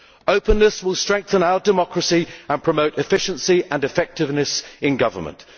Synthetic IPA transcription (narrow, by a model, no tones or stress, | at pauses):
əʊpə̃nːəswɪlˠstɹ̥ɛ̃ŋk̚θə̃naʊədɪmɒkɹəsiə̃npʰɹ̥əməʊtɪfɪʃə̃nsiə̃nɪfɛk̚tɪvnəsɪ̃nɡʌvə̰mə̰̃nt